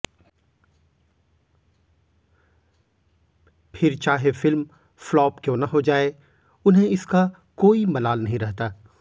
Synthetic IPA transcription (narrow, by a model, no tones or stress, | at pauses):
pʰɪɾt͡ʃaːɦefɪlm | flɔːpkjõːnɐɦod͡ʒaːe | ʊnɦẽɪska | koːimɐlaːlnɐɦĩɾɐɦt̪aː